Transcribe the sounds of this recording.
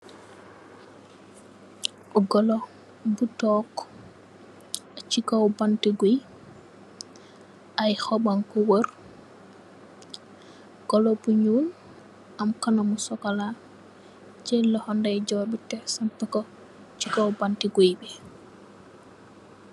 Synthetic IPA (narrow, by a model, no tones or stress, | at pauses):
ɡɔlo | butɔk | t͡ʃikawbantiɡoj | ʔajxɔbaŋkɔwoɾ | ɡ̥ɔlobuɲuːn | amkanamusɔkala | t͡ʃɛlɔhɔndajɟɔːɾbitɛsampɛkɔ | t͡ʃikawbantiɡojbɛ